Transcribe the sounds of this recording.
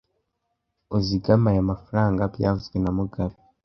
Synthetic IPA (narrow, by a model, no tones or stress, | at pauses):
oziɡamajamafuɾaːŋɡabja̰ːvuzɡwenamuɡaɾi